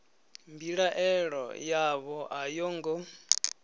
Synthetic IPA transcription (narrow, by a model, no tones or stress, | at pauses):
mbiɺaʔɛɺɔ̰jaβɔʔajɔːŋɡɔ